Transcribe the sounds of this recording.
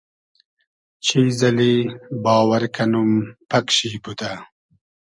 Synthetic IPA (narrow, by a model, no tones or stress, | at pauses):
t͡ɕʰizɐlibɑːwɐɾkʰɐnumpɐkɕiput̪a